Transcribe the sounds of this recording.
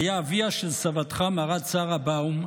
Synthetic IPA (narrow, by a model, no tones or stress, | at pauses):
jaːviaʃelsavat̪χamaʁat͡saʁabaum